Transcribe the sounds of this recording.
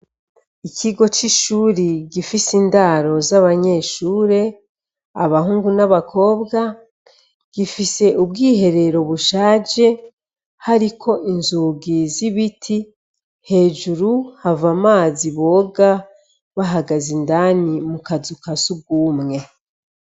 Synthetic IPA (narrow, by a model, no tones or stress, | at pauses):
ikʰiɡo̞t͡ʃiʃuːɾiɡifisindaɾo̞zaβaɲe̞ʃuːɾe̞ | aβahuːŋɡunaβakʰo̞ːbɡa | ɡ̥ifise̞ʔubɡiːɦe̞ɾe̞ɾo̞βuʃaːd͡ʒe̞ | haɾikʰo̞ʔinzuɡiziβitʰi | he̞ːd͡ʒuɾuhavamaːziβo̞ːɡa | βaɦaɡazindanimukazukasuɡuːmŋe̞